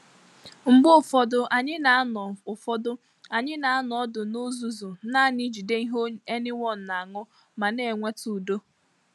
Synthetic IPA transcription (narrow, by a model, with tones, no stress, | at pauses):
ŋ͡m̩˨ɡ͡bʊ˦˨fɔ˨dʊ˨ʔa˨ɲɪ˦na˨a˦nɔ˨ʊ˨fɔ˦dʊ˦ | a˨ɲɪ˦na˨a˦nɔ˨ɔ˦dʊ˨no˦zu˦zu˨na˦˨ni˦d͡ʒi˨de˦i˦ɦo˦e˦nɪ˦ŋɔ˦n̩˨na˨ŋʊ˦ | ma˨ne˨ŋʷe˦tu˨do˦